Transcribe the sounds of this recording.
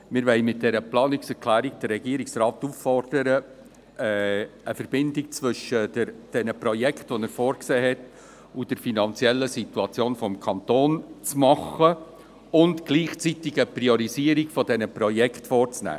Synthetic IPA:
mɪɾʋɛɪmɪt̚d̥ɛɾəplɑːnɪksɛɾkʰlæːɾiɡ̚d̥ərɾɛɡiəɾiksrɑːt̪uffɔrd̥əɾə | ɛəfəɾbɪndik̚t͡svʏʃədəɾd̥ɛnəprɔjɛkχtʋɔnɛɾfɔːɾkseːɦɛt | ud̥ɛɾfinɑnt͡sjɛlːəsituɑt͡sjoːnfɔmkʰɑnt̪oːnt͡smɑχə | ʊntɡ̥liːχt͡sit̪ɪɡəpriɔɾiziəɾikfɔdɛnəprɔjɛkχtfɔːrt͡snæ̰ː

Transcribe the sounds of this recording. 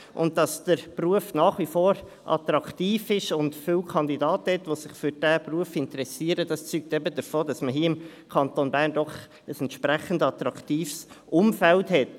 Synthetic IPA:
ʔʊnd̚dɑsd̥əɾpruəfnɑːχʋifoːɾ | ʔɑ̰tɾɑktiːfɪʃʊndfʏwkʰɑndidɑːthɛtʋosɪχfʏɾd̥æːpruəfɪntəɾɛsiːəɾədɑst͡syːk̚tɛbədəɾfoːd̥ɑsməɦiːəɪm | kʰɑntonbæːɾndɔχ | əsɛntʃpɾæχəndɑt̪ɾɑktiːfsʔʊmfɛlthɛt

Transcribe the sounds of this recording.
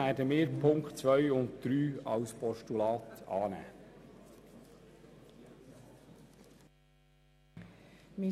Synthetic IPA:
æːdəmɪːɾpʰʊŋktt͡sʋœʏʊntd̪̥ɾyːɑ̰wspʰɔʃtulɑːtɑːnæ̰ː | mi

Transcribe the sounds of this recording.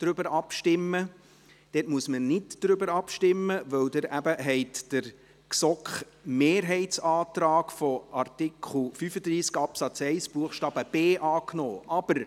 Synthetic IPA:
d̥ɾʏbəɾɑpʃtɪmːə | d̥ɛtmuəsmənɪdd̥ɾʏbəɾɑpʃtɪmːəvœwdəɾʔæbəɦɛɪtd̥əɾ | ksɔkχ | meːɾɦɛɪtsɑːtɾɑːkfɔɑrtɪkʰχl̩fyfəd̪ɾiːskɑpsɑt͡sɛɪsb̥uəχʃtɑːb̥əb̥eːʔɑːknɔːʔɑb̥əɾ

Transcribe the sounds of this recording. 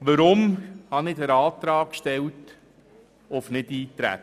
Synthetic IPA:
ʋəɾʊmhɑnɪdəɾɑːt̪ɾɑːkʃtɛwt | ʊfnɪdiːtɾæ̰

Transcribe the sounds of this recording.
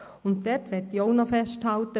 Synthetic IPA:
ʊntdɛtʋɛtioʊnɔfɛʃthaltə

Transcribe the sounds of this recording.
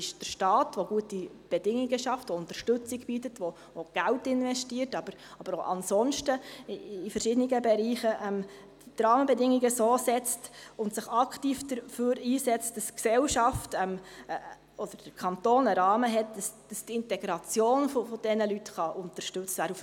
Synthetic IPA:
ɪʃd̥əɾʃtɑːtʋoɡ̥uəti | b̥ɛdɪŋiɡəʃɑftʋoʊnt̪əɾʃtɵt͡siɡb̥itətʋo | oɡ̥æltɪnʋɛʃtiːəɾtɑb̥əɾɑb̥əɾoʔɑ̰nsɔnʃtəː | fəɾʃɪdəniɡəbɛɾiːχəʔɛm | d̥id̪ɾɑːməbɛdɪŋiɡəsoːsɛt͡stʊntsɪχɑkʰtiːfd̥əɾføːɾiːsɛt͡st̚d̥ɑsksɛwʃɑftɛm | ɔd̥əɾd̥əɾkʰɑntoːnəɾɑːməɦɛt̚d̥ɑsd̥ɑstɪntɛɡɾɑt͡sjoːnfofɔd̥ɛnəlytχɑʔʊntəɾʃtɵt͡sʋæːɾuf

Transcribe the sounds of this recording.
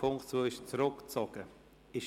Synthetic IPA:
ʊŋt͡suːɪʃt͡sɾʊkt͡sɔɡ̥ə | ɪʃ

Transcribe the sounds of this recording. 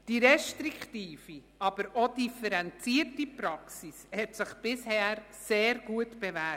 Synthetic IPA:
d̥iɾɛʃtɾiktiːfi | ɑbəɾodifɛɾɛnt͡siːətipɾɑksishɛtsɪχb̥ɪshɛːɾ | seːɾɡuətb̥ɛvɛ

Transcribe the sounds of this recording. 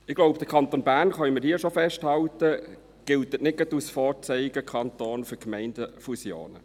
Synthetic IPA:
ɪɡ̥loʊbd̥̪əkʰɑnt̪oːnbæːrnχœməɾhiːəʃofɛʃthɑltə | ɡ̥ɪltətnɪɡ̥ɑtusfɔːt͡sɛjɪɡəkʰχɑnt̪oːnfyɾkmɛɪndəfusjo̰ːnə̰

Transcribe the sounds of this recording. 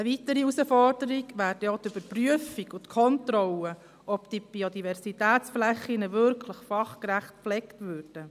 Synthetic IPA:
əʋitəɾiusəfɔrdəɾiɡʋæːɾdɛot̪yb̥əɾpryəfikʊtkʰɔntɾɔlə | ʔɔpd̥ib̥iodivɛɾsitæːt͡sflɛχːinəvʏɾkʰləχfɑχkɾæχt̚flɛktvøːɾd̥ə

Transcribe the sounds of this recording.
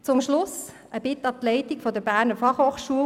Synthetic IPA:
t͡sʊmʃlʊs | ʔəb̥ɪtɑtlɛɪtɪkfɔdəɾbæːʁnəɾfɑχhoːχʃuːə

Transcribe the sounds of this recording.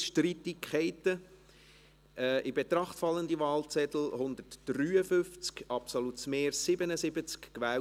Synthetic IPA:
ʃtritikʰɛɪtə | ʔɛːʔɪbet̪ɾɑχtfɑlːəndivɑːlt͡sɛt̪l̩hʊnd̪ətd̥ryːəfʏft͡skɑpsolutsmeːɾsɪbənəsɪbət͡skkʋæː

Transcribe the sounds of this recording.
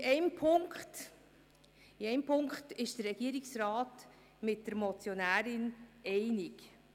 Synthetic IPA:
ʔɛɪmpʰʊŋkχt | iɛjmpʰʊŋkχtɪʃd̥ərːɛɡ̥iːɾiksɾɑːt | mɪt̚dəɾmɔt͡sjonæːɾɪnɛɪnik

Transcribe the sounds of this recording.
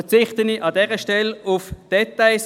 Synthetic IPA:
t͡sɪχtəniʔɑdɛːʁəʃtɛlʊfd̥ɛtaɪs

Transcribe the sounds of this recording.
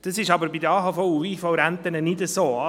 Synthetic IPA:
d̥ɑsɪʃɑbəɾbidəɑːɦɑfɔuiːfɔwɾænt̪ənənɪdəsoːɑ

